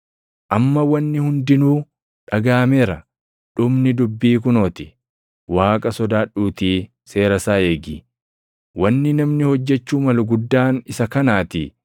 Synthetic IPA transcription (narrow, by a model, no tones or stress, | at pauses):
ʔɐmːɐwɐnːɪhʊnd̪ɪnuː | ᶑɐɡaːmeːɾɐ | ᶑʊmnɪd̪ʊbːiːk̬ʊnoːt̪ɪ̥ | waːkʼɐsɔd̪aːᶑuːt̪iː | se̞ːɾɐsaːe̞ːɡiː | wɐnːɪnɐmnɪhɔd͡ʒːɛt͡ʃːuːmɐlʊɡʊd̪ːaːnɪsɐkɐnaːt̪i